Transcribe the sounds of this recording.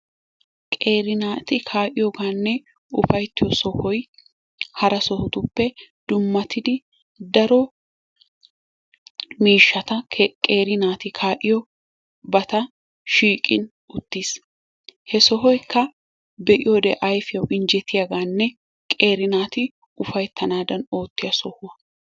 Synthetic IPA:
kʼeːɾɪnaːt̪ɪkʰaːʔɪjɔɡaːnːɛ | ʊ̰fɐjt̪ːɪjɔsɔhɔj | hɐɾɐsɔhʊt̪ʊpːɛd̪̥ʊmːɐt̪ɪd̪ɪ | d̪ɐɾɔ | miːʃːɐt̪ɐkʼeːɾɪnaːt̪ɪkʰaːʔɪjɔ | bɐt̪ɐ | ʃiːkʼɪ̰n | ʊt̪ːiːs | hɛsɔɦɔjkʰːɐ | bɛʔɪjɔd̪ɛ̰ʔɐjfɪjɐwʔɪnd͡ʒɛt̪ʰːɪjaɡaːnːɛ | kʼe̞ːɾɪnaːt̪ɪ | ʊfɐjt̪ʰːɐnaːd̪ɐno̞ːt̪ːɪjɐsɔhʊwɐ

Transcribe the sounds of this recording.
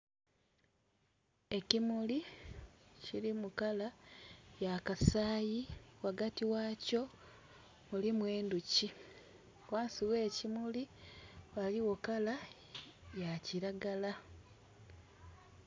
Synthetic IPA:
e̞cimuli | ciɾimukalajakasaːjiwaɡatiwaːco̞ | mulimwe̞ːnduci | waːnsiwe̞ːcimuliwaliwokala | jaciɾaɡala

